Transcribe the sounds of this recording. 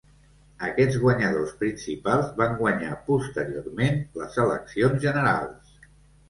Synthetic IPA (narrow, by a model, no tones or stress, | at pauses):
əkɛd͡zɣwəɲəðospɾinsipalˠzβaŋɡwəɲa̰pust̪əɾiormenləzələ̰ksionzʒənəɾa̰lˠs